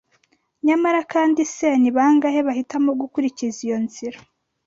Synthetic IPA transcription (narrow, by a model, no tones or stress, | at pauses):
ɲamaɾakaːndiseːniβaːŋɡaheβahitamoɡukuɾicizijo̞nziɾa